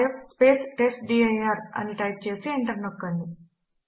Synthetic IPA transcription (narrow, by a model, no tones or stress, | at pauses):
epspesʈesɖieaɾa̰niʈajp̚t͡ɕeəseːɳʈəɾnəkːəni